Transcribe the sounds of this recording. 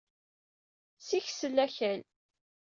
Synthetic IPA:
siçsəlːæçæl

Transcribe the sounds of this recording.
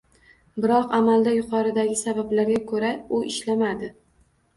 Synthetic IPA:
bɪɾɒqamald̪ajʊqʰɒɾɪd̪aɡʲɪsabablaɾɡʲakʰɵɾaʊʔɪʃlamad̪ɪ

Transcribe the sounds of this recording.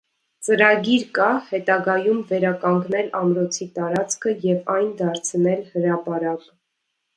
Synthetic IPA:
t͡səɾɑɡiɾkɑhɛt̪ɑɡɑjumvɛɾɑkɑŋɡnɛlɑmɾɔt͡sʰit̪ɑɾɑt͡sʰkʰəjɛvɑjnd̪ɑɾt͡sʰnɛlhəɾɑpɑɾɑk

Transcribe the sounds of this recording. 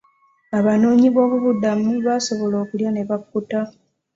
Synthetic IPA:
aβano̞ːɲiβo̞ːβuβudamuβaso̞βo̞lo̞ːkuljane̞βakːuta

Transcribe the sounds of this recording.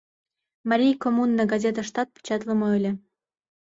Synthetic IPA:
mɑɾʲijkomunːəɡazʲet̪əʃt̪ɑt̪̚pʲe̥t͡ɕɑt̪lə̆moɵlʲĕ

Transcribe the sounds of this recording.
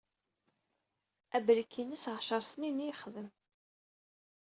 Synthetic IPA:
æbɾikʰːinæsʁʃəɾˤsninijχðəm

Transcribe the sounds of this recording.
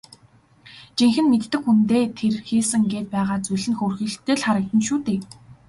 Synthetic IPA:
t͡ɕiŋxɘ̆nmet̪ːɘ̆kxunt̪eːt̪ʰerxiːsɘ̆ŋɡeːt̪̚pæːʁaːt͡suɮɘ̆nxoːrxiːɬt̪eːɮχaɾə̆k̚t̪ə̆nʃuːt̪eː

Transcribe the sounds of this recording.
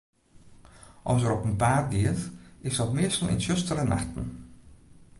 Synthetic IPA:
ʔɔsəɾɔpənpaːrdiətɪsdɔtmɪəstəl̩ˠɪ̰nsøstəɾəna̰xtən̩

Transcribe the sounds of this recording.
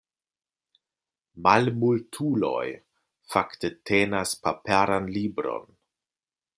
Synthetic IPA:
malmultʰulo̞̰j | faktetʰenaspapaɾanlibɾo̞̰n

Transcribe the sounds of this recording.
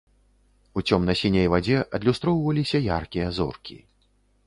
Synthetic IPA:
ut͡sʲɔmnɐsʲinʲejvad͡zʲɛʔɐd̪lʲust̪ɾɔwvɐlʲisʲɐjarkʲijɐzɔ̰rkʲḭ

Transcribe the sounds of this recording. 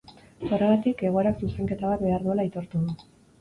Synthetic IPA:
soreɣat̪ike̞ɣ̞o̞e̞ɾaksuse̞ŋke̞t̪aβat̪̚be̞aɾðue̞lait̪o̞ɾt̪uðu

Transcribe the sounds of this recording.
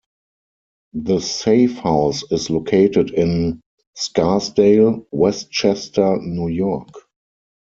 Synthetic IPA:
ðəseɪfhaʊsɪslokʰeɪtədɪ̃n | skasdeɪlwɛstt͡ʃɛstə˞njuːjɔk

